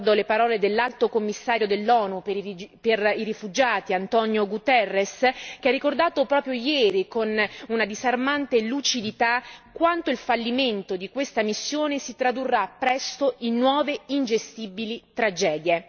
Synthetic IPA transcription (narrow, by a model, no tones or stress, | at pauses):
d̪olepaɾɔːled̪elːalt̪okomːisːaːɾjod̪elːɔːnupeperiɾifud͡ʒaːt̪iant̪ɔnjoɡut̪ɛrːeskearːikord̪aːt̪opɾɔːpɾjojɛːɾikonunad̪izarmant̪elut͡ʃid̪it̪akwant̪oilfalːiment̪od̪ikwest̪amisːjoːnesit̪ɾad̪urːapːɾɛst̪oʔinːwɔːveind͡ʒest̪ibilit̪ɾad͡ʒɛːd̪je